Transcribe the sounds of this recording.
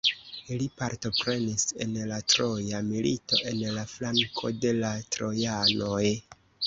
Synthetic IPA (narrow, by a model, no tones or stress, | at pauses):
ilipaɾto̞pɾe̞nise̞̰nlatɾo̞jamilito̞ʔe̞nlaflaŋkʰo̞de̞latɾo̞janoj